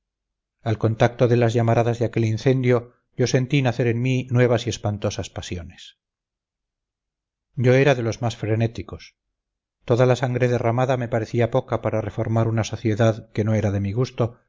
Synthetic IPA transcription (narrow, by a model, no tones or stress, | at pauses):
alko̞nt̪ak̚t̪o̞ðelazʝamaɾaðazðeake̞linθe̞nd̪jo̞ | ʝo̞se̞nt̪inaθe̞ɾenminwe̞β̞asie̞spant̪o̞saspasjo̞nes | ɟ͡ʝo̞eɾaðe̞lo̞zmasfɾe̞ne̞t̪iko̞s | t̪o̞ðalasaŋɡɾeðe̞ramaðame̞paɾe̞θiapo̞kapaɾare̞fo̞ɾmaɾunaso̞θje̞ðaðke̞no̞e̞ɾaðe̞miɣust̪o̞